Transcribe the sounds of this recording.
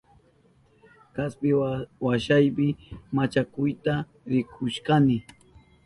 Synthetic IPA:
kaspɪwaʃajpɪmat͡ʃakʊjt̪a | ɾɪkʰʊʃkanɪ

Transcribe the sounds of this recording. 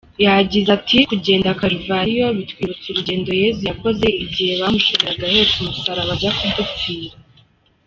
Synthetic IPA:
jaaɟizatʰikuɟe̞ːndakaɾivaɾijo̞βitwiːβut͡suɾuɟe̞ːndo̞je̞zujako̞ze̞iɟihe̞βamuʃoβiɾaɡahe̞tumusaɾaβaɟakudufiɾa

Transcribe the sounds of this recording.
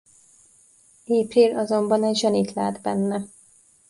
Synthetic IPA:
eːpriːlɒzo̞mbɒnɛɟʒɛnit̪la̰ːd̪bɛ̰nːɛ

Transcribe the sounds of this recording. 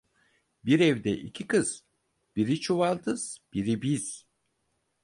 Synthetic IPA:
biɾɛvd̪ɛʔicʰikɯz̥ | b̥iɾit͡ʃʰuvalˠt̪ʰɯz̥b̥iɾibiz̥

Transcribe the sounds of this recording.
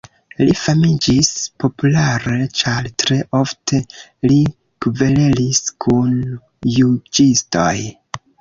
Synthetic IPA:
lifamid͡ʒispo̞pulaɾe̞t͡ʃaɾtɾe̞ʔo̞ftʰe̞li | kve̞leliskʰun | jud͡ʒisto̞̰j

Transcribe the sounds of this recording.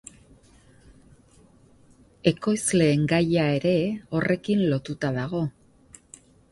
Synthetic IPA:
e̞ko̞jzle̞ːŋɡajae̞ɾe̞o̞re̞kinlo̞t̪ut̪aðaɣ̞o̞

